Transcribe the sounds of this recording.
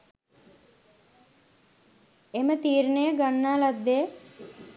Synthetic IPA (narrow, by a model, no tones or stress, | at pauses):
emət̪iːɾnejəɡanːaːlad̪ːejə